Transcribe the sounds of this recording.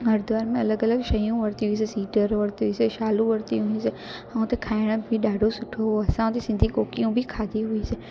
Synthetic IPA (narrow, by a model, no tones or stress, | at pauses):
ɦəɾd̪ʋaːɾmẽɐləɡələɡʃɐjũʋəɾt̪iɦʊĩs̬esiːʈəɾʋəɾt̪iɦuiseʃaːlũʋəɾt̪iɦʊĩse | ãũt̪ʰekʰaːɪɽ̃əbʱiɗaːɖʱosʊʈʰoɦoɐsãt̪isɪ̃nd̪ʱikoːkijũbʱikʰaːd̪iɦʊise